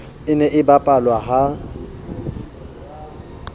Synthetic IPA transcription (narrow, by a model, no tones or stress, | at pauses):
ɪnɛʔɪbapʼalwaɦa